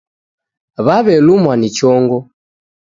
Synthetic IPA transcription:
βaβɛlumwanit͡ʃɔŋɡɔ

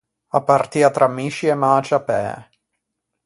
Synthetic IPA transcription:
apːart̪iːat̪ɾʔamːiʃiɛmaːt͡ʃapɛ̰ː

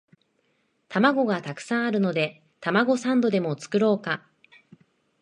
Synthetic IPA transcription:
t̪amaɡo̞ɡat̪akɯ̟̥sãɰ̃aɾɯ̟no̞d̪e̞ | t̪amaɡo̞sãnd̪o̞d̪e̞mo̞t͡sɨ̥kɯ̟ɾo̞ːka

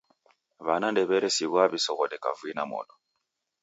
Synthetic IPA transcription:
βanandɛβɛɾɛsiɣwaβisɔɣɔdɛka̰vuinamɔ̰dɔ

